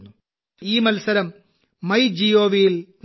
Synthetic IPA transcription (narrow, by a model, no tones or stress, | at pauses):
nːu | iːmɐlsɐɾɐmː | ɐjd͡ʑijoːʋijiln